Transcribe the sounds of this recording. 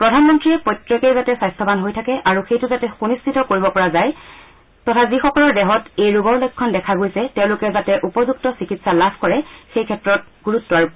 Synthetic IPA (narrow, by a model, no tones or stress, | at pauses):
pɹɔdʱanmɔntɹiɛpɔjtɹɔkejzatɛsajstʰɔbanɦojtʰakɛʔaɹuxejtʊzatɛxunistʰitɔkoɹibɔpɔɹazaj | tɔtʰazixɔkɔlɔɹdɛɦɔtejɹuɡɔulɔkʰːɔndɛkʰaɡojsɛtɛʊ̃lʊkɛzatɛʔupɔzuk̚tɔsikitsalabʱkɔɹɛxejkʰɛtːɹɔt̚ɡuɹutːɔaɹu